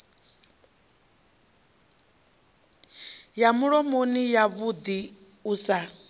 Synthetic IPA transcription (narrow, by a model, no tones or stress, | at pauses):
jamuɺɔmonijaβud̪i | usa